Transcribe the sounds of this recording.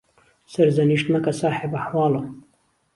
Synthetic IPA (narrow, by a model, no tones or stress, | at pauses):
sɐɾzɐniʃt̪nɐkɐsaːħebɐħwɑːlo